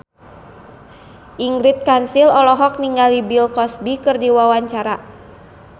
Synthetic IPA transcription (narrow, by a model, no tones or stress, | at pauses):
ʔiŋɡɾit̪̚kansilɔlɔɦɔk̚niŋɡalibilkɔsbikɨrdiwawaɲt͡ʃaɾa